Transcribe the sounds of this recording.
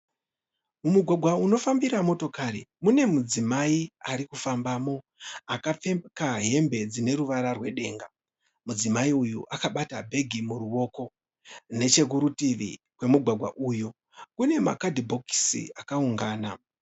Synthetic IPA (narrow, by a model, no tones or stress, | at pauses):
mumuɡʱwaɡʱwauno̞fambiɾamo̞to̞kaɾimune̞mud͡zimaiaɾikufambaːmo̞ | akap͡fekaɦe̞mbe̞d͡zine̞ɾuʋaɾarwe̞ɗe̞̰ːŋɡa | mud͡zimaiujṵʔakaɓatabʱe̞ɡʱimuruwo̞ːko̞ | ne̞t͡ʃe̞k̬uɾutiʋḭ | kwe̞muɡʱwaɡʱwa̰ʔuju | kune̞ma̰kadʱibʱo̞ki̥sḭakauŋɡaːna